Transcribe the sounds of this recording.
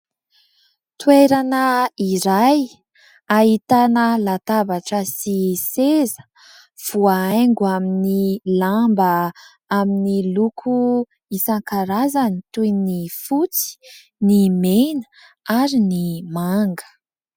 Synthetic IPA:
t̪ueɾanəiɾaj | aɦit̪anəlat̪avaʈ͡ʂəsisezə̥ | v̥uaajŋɡuaminilambə | aminilukʰu | isaŋkaɾazanit̪ujnifut͡si̥ | nimenə̥ | aɾinimaŋɡə̥

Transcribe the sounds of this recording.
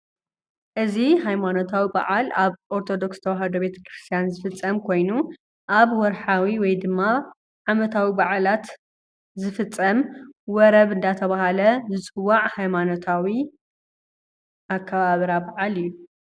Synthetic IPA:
ʔɨziɦajmano̞t̪ʰawiba̰ʕalaβʔoɾt̪ʰo̞d̪o̞kst̪ʰɐwaɦɐd̪obe̞t̪ʰɐ̥kɾɨst̪ʰijanzɨfɨt͡sʼːɐmkʰo̞jnu | ʔaβwɔɾħawiwɔjd̪ɨmːa | ʕamɐt̪ʰawibaʕalat̪ | zɨfɨt͡sʼːɐmwɔɾɐβɨnd̪at̪ʰɐβaɦalɐzɨt͡sʼɨwːaʕhajmanot̪ʰawi | ʔakʰːɐβaβɾabaʕalijːu

